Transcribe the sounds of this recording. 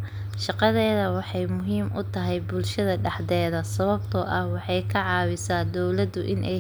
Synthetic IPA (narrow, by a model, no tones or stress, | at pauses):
ʃɑqɑðɛːðɐwɑħɑjmʊɦiːmʔʊt̪ʰɐɦɛjbʊlʃɐðɐɖɑħd̪ɛːðɐsɐβɐbt̪ʰɔːʔɐhwɑħɑjkʰɐʕɑːwɪsaːd̪ɔwlɐd̪ʊʔɪnʔɛj